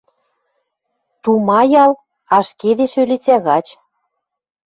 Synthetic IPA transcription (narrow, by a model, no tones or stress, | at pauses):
t̪umɑjɑl | ɑʃked̪eʃølet͡sæɣɑt͡ɕ